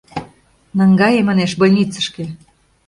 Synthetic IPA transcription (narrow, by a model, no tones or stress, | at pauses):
nəŋɡɑjemɑneʃbolʲnʲit͡sə̆ʃke